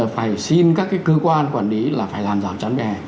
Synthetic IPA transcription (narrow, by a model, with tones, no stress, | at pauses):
faː˧˩jsi˧nkaː˦˥kːaː˨˦jkə˧kwaː˧nkwaː˧˩nli˨˦laː˨˩faː˧˩jlaː˨˩mzaː˧˩wt͡ɕa˨˦nvɛ˨˩